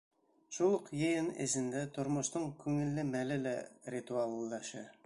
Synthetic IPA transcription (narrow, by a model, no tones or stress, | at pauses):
ʃulˠəqjĕjɤnɘ̰zɘ̆nd̪æt̪ʰŏɾmŏʃt̪ɤɴkʰʉŋɘ̆lːɘmælɪlærʲit̪ualˠd̪ɑʃɑ